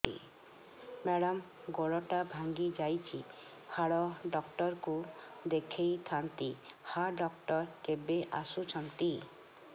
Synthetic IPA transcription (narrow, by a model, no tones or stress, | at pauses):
ḭ | mɛɽɔm | ɡɔɽɔʈabʱaŋɡid͡ʒajt͡ʃʰi | haɽɔɖɔkʈɔɾkud̪ekʰejt̪ʰant̪ihaɖɔk̚ʈɔɾkebeʔa̰sut͡ʃʰɔnt̪i